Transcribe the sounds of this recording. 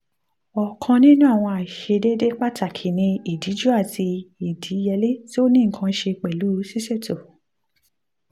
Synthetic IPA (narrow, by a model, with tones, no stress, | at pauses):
ɔ˨kʰã˧nĩ˦nũ˦a˦˨w̃ɔ̃˧a˨ʃe˧de˦de˦k͡pa˦ta˨kʰi˨nĩ˧i˨di˨˦d͡ʒu˦a˦˨ti˧i˨di˨˦jɛ˧le˦ti˦o˦nĩ˦˨kʰã˧˦ʃe˧k͡pɛ˨lu˨˦si˦se˦˨to˨